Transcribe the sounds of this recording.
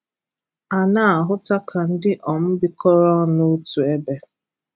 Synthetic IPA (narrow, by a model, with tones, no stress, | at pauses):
a˨na˦a˨ɦʊ˦ta˦kʰa˨n̩˦dɪ˦ʔɔ˨m̩˦bɪ˦kɔ˦ɾɔ˦no˦tu˨e˦be˦